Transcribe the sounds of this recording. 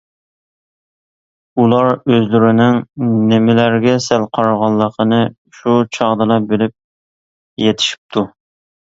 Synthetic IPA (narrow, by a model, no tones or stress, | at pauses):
ulˠɑɾøzlyɾɪnɪŋnɪmɪlæɾɡʲɛsælqʰɑɾɑʁɑlˠːəqʰənɨ | ʃut͡ʃʰɑʁd̪ɨlˠɑbɪlɪp̚ | jet̪ʰɪ̥ʃi̥p̚t̪ʰu